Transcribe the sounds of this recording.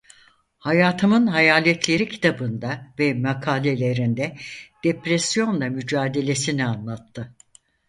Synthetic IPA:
hajaːt̪ʰɯmɯnɦajaːlʲɛt̪ʰlʲe̞ɾicʰi̥t̪ʰabɯnd̪avɛmakʰaːlʲe̞lʲe̞ɾind̪ɛd̪̥epɾɛsjo̞nlˠamyd͡ʒaːd̪e̞lʲe̞sinianlˠat̪ʰːɯ

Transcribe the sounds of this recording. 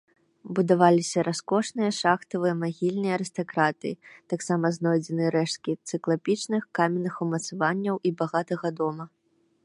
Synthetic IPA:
bud̪avalʲisʲɐɾʔaskɔʂnɨjɐʂaxt̪ɐvɨjɐmaɣʲilʲnɨjɐɐɾɨst̪akɾat̪ɨ̰jit̪aksamɐznɔjd͡zʲɛnɨɾɛʂt̪kʲit̪sɨklˠapʲit͡ʂnɨxkamʲɛnːɨxumɐt̪savanʲːɐwʔibaɣat̪ɐɣɐd̪ɔmɐ

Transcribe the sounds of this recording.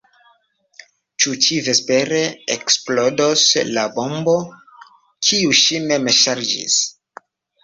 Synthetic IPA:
t͡ʃut͡ʃive̞spe̞ɾeeksplodoslabo̞mbo̞ | kʰiuʃinemeʃaɾd͡ʒḭs

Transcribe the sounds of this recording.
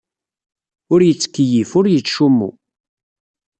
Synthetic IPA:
ʊɾjət͡sːkːəjifʊɾjət͡sːʃumːṵ

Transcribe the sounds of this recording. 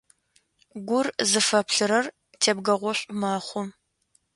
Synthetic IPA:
ɡʷʊrzɨfɐpɬɨɾɐr | tʰeːb̚ɡɐʁʷɔɕʷʼʊmaːχʷʊm

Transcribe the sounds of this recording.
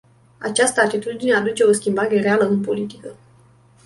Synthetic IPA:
a̰t͡ʃast̪əat̪it̪ud̪inead̪ut͡ʃe̞o̞skʲimbaɾe̞ɾealəɨnpo̞lit̪i̥kə

